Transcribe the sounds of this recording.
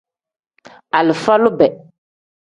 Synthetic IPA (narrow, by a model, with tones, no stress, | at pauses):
a˨lɪ˨fa˦lʊ˦bɛ˨